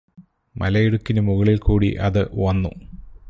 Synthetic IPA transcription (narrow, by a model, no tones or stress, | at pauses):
mʔɐ̰lɐjiɽukːinɐmuɣɐɭilkuːɽḭʔɐðɨʋɐnːṵ